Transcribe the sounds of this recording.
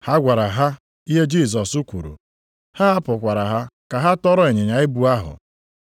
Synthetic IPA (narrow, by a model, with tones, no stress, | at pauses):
ha˦ɡʷa˨ɾa˨ɦa˦ | i˦ɦe˦d͡ʒi˦˨s̬ɔ˨su˦kʷṵ˨ɾṵ˨ | ha˦a˦pʊ˨kʷa˨ɾa˨ɦa˦ka˨ɦa˦tɔ˦ɾɔ˦e˨ɲe˨ɲa˨ɪ˦bu˨a˦ɦʊ̰˨